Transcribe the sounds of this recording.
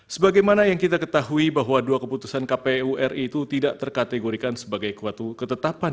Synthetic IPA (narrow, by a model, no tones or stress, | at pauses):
səbaɡajmanajaŋkit̪akət̪aɦuibaɦwaduakəput̪usankapeuʔɛrit̪ut̪idaʔt̪ərkat̪eɡoɾikansəbaɡajkat̪ukət̪ət̪apan